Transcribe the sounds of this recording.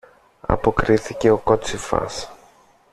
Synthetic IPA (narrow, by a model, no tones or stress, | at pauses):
ɐ̰po̞kɾiθice̞o̞kot͡sifɐ̰s